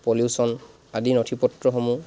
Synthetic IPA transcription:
poljusɔn | adinotʰipɔtɹɔxomu

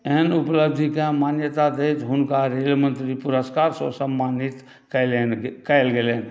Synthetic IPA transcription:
eɦənupləb̚d̪ʱikeãmanjət̪ad̪et͡ʃ̪ɦʊnkaɾelmənt̪ɾipuɾəskaɾsɔ̰səmːanit̪ | kəlenkɛɪlɡelen

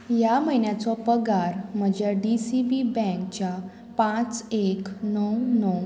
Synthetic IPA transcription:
jaməɦinjat͡sɔpəɡaɾm̤əd͡ʑjaɖisibibɛ̃kt͡ɕja | pãt͡seknəwnəw

